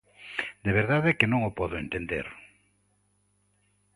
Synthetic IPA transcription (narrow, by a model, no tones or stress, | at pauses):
d̪eβeɾðaðɛkɪnõŋopɔðʊent̪end̪ḛɾ